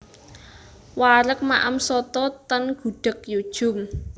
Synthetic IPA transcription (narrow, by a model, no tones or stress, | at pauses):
waɾək̚maʔamsɔt̪ɔt̪ənɡ̥ṳɖ̥ə̤kjud̥ʒ̥ʊ̤m